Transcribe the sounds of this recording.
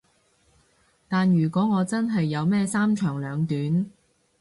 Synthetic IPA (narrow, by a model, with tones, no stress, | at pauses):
t̪aː˨njyː˨˩kʷɔː˨˥ŋɔː˨˧t͡sɐ˥nɦɐ˨jːɐ˨˧wmɛː˥saː˥mt͡ʃʰœː˨˩ŋlœː˨˧ŋt̪yː˨˥n